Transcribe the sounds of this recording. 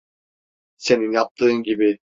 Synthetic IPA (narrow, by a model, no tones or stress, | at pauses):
se̞ninjɑp̚t̪ʰɯːnɡʲibi